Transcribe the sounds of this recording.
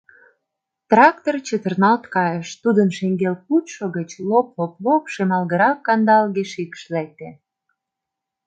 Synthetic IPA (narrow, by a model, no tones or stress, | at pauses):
t̪rɑkt̪ort͡ɕət̪ərnɑlt̪kɑjəʃt̪ud̪ənʃeŋɡelkut̪ʃoɣət͡ɕlop̚lop̚lopʃemɑlɣə̆ɾɑkːɑnd̪ɑlɣeʃikə̥ʃlæk̚t̪e